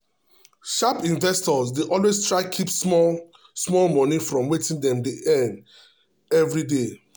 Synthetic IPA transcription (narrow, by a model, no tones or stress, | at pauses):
ʃapĩnvɛstɔsdeʔɔlwestɹaɪkʰipsmɔ | smɔlmɔ̃nifɹɔ̃mwetĩndɛ̃mdiʔɛ̃nd | ɛvɾide